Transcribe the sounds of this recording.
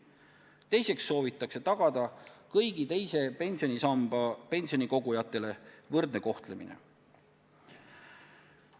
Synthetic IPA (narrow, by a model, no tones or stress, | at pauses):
t̪e̞jse̞ksːo̞ːvit̪ˑːɑkse̞t̪ɑɡ̥ɑd̪̥ɑkɤjɡit̪e̞jse̞pe̞nʲsio̞nʲisɑmb̥ɑpe̞nʲsio̞niko̞ɡujɑt̪ːˑe̞le̞vɤrd̪ne̞ko̞ht̪le̞mḭnḛ